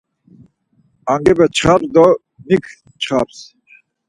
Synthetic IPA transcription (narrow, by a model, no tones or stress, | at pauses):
aŋɡɛbɛt͡ʃχaɾd̪ɔ | nikʰ | t͡ʃχaɾs